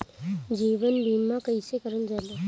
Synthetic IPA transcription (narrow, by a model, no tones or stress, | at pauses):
d͡ʒiʋənbimːãkəisekəɾənd͡ʒala